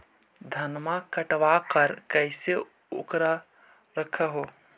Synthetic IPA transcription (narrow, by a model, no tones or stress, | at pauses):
d̪ʱənmãkəʈʋakəɾkəɪse | o̰kɾa | ɾəkʰaɦoː